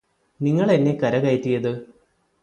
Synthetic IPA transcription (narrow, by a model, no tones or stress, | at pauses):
niŋːɐɭenːe̞kɐɾɐɣɐjtːijɐðɨ